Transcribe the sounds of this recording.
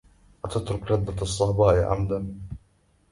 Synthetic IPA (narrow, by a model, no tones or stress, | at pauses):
ʔat̪at̪ɾʊkɾad̪ːasˤːɑbɑːʔiʕa̰md̪an